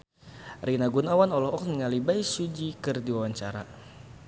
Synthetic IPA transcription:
rinaɡunawanɔlɔɦɔk̚niŋalibaisud͡ʒikɨrdiwawaɲt͡ʃaɾa̰

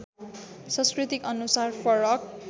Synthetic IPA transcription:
sʌ̃skrit̪ikʌnusarfʰʌɾʌk̚

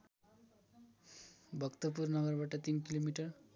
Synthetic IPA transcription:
bʱəɡt̪əp̬uːɾnəɡəɾbaʈat̪iːnkilomiʈəɾ

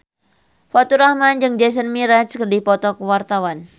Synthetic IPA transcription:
fat̪uɾahmand͡ʒɨŋd͡ʒɛs̬ənmiɾat͡ʃkərdihpɔt̪ɔkəwart̪awan

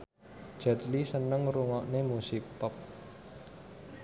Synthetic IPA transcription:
d̥ʒ̥a̤t̪lisənəŋruŋɔʔnemusik̚pɔp̚

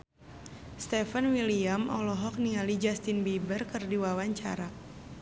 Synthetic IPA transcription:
st̪ɛfanwiliamʔɔ̰lɔɦɔk̚niŋalid͡ʒast̪inbibərkərdiwawaɲt͡ʃa̰ɾa

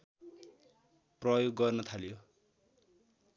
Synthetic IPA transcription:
prʌjoɡːʌrnʌt̪ʰaljo

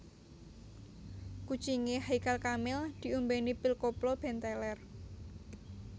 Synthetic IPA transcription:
ku̥t͡ʃiŋeɦaikalkamɪld̪̥i̤umbenipilkoplɔb̥ɛ̤nt̪ɛlɛr

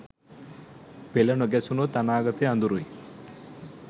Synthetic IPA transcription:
pelɐnoɡɛsunot̪anaːɡɐt̪eɐnd̪uɾuj

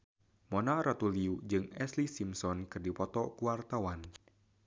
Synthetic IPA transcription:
mɔnaɾat̪uliud͡ʒɨŋɛslisimsɔnkɨrdipɔt̪ɔkuwart̪awan

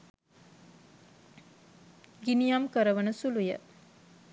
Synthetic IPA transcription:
ɡinijamkəɾəʋənəsulujə

